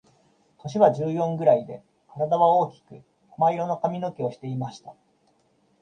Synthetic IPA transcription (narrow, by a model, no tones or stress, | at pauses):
h̪oɕ̬iβaʑɨːjõ̞ŋɡɯ̟ɾaid̪e̞ | kaɾad̪aβao̞ːkʲi̥kɯ̟ | maiɾo̞no̞kamʲino̞kʲio̞ɕi̥t̪e̞imaɕi̥t̪a